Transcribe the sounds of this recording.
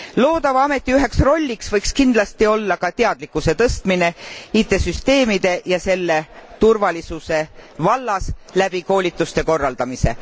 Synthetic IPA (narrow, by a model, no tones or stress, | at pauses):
lo̞ːd̪ɑvɑɑme̞t̪ːˑiyɦe̞ksro̞lʲːiksvɤjkskind̪lɑst̪io̞lːɑkɑt̪eɑd̪̥likːˑuse̞t̪ɤst̪mine̞it̪ːˑe̞syst̪e̞ːmid̪e̞jɑse̞lːe̞t̪urvɑlisuse̞vɑlːɑslæb̥iko̞ːlʲit̪ːˑust̪e̞ko̞rːɑld̪̥ɑmise̞̰